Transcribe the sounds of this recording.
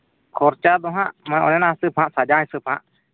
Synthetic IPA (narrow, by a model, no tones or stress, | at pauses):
kʰɔɾt͡ʃad̪ɔɦã̰ʔmaɔ̰nɛnasɨpʰhãʔsad͡ʒãjsɨpʰhã̰ʔ